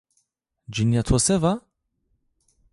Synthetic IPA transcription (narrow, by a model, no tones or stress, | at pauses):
d͡ʒinjat̪ʰwɔsɛva